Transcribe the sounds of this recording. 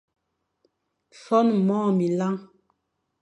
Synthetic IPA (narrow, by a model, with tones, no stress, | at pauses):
sɔ˦nmɔː˦˨mi˨la˦ŋ